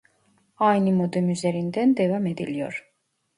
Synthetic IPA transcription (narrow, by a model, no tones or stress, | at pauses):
ajnɯmod̪ɛmyzeɾind̪ænd̪evamed̪ḭlʲijo̰ɾ